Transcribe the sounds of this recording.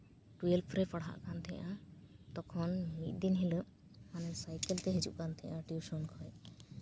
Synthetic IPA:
ʈuelpʰɾɛpəɽɦa̰ʔkant̪ʰɛ̰jãt̪ɔkʰɔnmit̪̚ˀd̪inɦiləʔ | manɛsajkelt̪ɛɦed͡ʒṵʔkant̪ʰɛjãʈjuʃɔnkʰɔj

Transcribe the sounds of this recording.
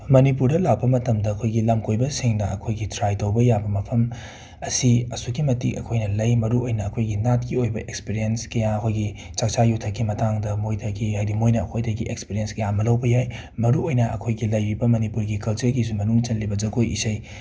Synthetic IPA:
mɐnipuɾdɐlawbɐmɐtɐmdɐɐkʰojɡilamkojbɐsiŋnɐɐkʰojɡitʰɾajtowbɐjabɐmɐpʰɐm | ɐsiɐsukimɐtikɐ̰kʰojnɐlɐjmɐɾuojnɐːkʰojɡinat̚kiojbɐʔek̚spiɾienskɐjaɐkʰojɡit͡ʃak̚t͡ʃajutʰɐkːimɐtaŋdɐmojtʰɐɡihajɾimojnɐɐ̰kʰojdɐɡiʔekspiɾijenskɐjamɐlɐwbɐjaj | mɐɾuojnɐɐ̰kʰojɡilɐjɾibɐmɐnipuɾɡikɐlt͡ʃɐɾɡis̬umɐnuŋt͡ʃɐlːibɐzɐkojisɐj

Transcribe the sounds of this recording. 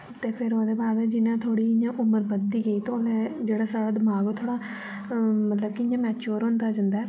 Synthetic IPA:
t̪eːpʰɪɾoːd̪eːbaːd̪d͡ʒɪnãːt̪ʰoːɽiːɪɲãːʔʊməɾbəd̪iːɡəiːt̪oːleːd͡ʒeːɽaːsaːɽaːd̪əmaːɡoːt̪ʰoːɽaː | mət̪ləb̚kɪɪɲãːmɛːt͡ʃoːɾɦʊ̃nd̪aːd͡ʒə̃nd̪aː

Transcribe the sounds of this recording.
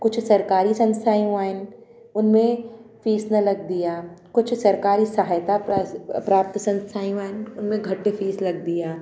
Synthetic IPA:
kʊt͡ʃʰsɐɾkaːɾisɐ̃nst̪ʰaːjũaːɪn | ʊnmẽfiːsnɐlɐɡ̚d̪ijaːkʊt͡ʃʰsɐɾkaːɾisɐɦaːjt̪apɾaːp̚t̪sɐ̃nst̪ʰaːjũaːɪnʊnmẽɡʱɐʈːefiːslɐɡ̚d̪ijaː

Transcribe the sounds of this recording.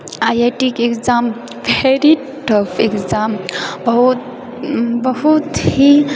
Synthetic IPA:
ajeʈikekzam | ʋʱeɾi | ʈəfʰekzambɐɦut̪ | bəɦut̪hi

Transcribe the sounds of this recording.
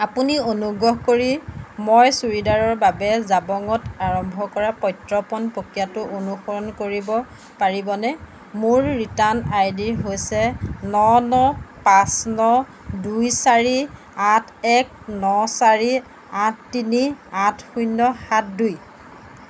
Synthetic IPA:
apunionuɡɹɔɦkoɹimojsuɹidaɹɔɹbabɛzabɔŋɔtaɹɔmbʱɔkɔɹapɔjtɹɔpɔnpokijatʊʔonuxɔɹɔnkoɹibɔ | paɹibɔnɛ | mʊɹːitanajdiɹɦojsɛnɔnɔpasnɔ | dujsaɹi | atʰɛk̚ | nɔsaɹi | atːiniatʰxujnɔxat̚duj

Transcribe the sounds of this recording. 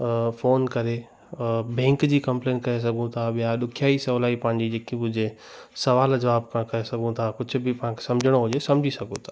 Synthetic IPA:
fʰoːnkɐɾe | bẽːŋkd͡ʑikɐ̃mplẽːnkɐes̬ɐɡũt̪ʰabjaɗ̪ʊkʰjaːisɐlaːipãːɲd͡ʑid͡ʑeːkibʊd͡ʑʱe | sɐʋaːlɐd͡ʒɐʋaːb̚kʰãkɐɦesɐɡʱũt̪ʰakʊt͡ʃʰbʱipɐɦãkʰe̥sɐ̃md͡ʒʱəɽ̃oɦod͡ʒesɐmd͡ʑʱisɐɡũt̪ʰḁ

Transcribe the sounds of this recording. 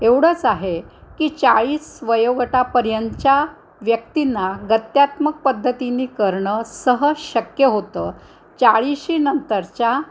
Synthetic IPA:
eʋɽ̤əːt͡saɦekiːt͡saɭiːsʋəjoɡʈapəɾjəɲt͡ɕja | ʋjək̚t̪inːaɡət̪jat̪mək̚pəd̪ʱːət̪iniːkəɾɳəsəɦəɕəkjəɦot̪əː | t͡saɭiɕinənt̪əɾt͡ɕja

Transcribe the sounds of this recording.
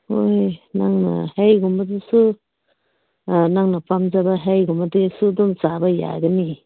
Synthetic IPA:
hojnaŋna̰hejɡumbadesu | naŋnapamzabaɦejɡumbadesudɔmzabaja̰ɡani

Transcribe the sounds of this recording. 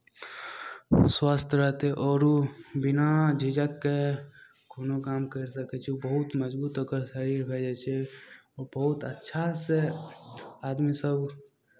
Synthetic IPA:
swaːst̪ʰɾəɦt̪eʔɔːɾubɪnad͡ʒʱid͡ʒəkːe | kʰoːnokaːmkəɾsəket͡ʃʰbəɦʊt̪məd͡ʒbuːt̪əɡəɾʃəɾiːɾbʱɛːd͡ʒɛt͡ʃʰeɔːɾbəɦʊt̪ə̰tːʃʰase | aːd̪misəb

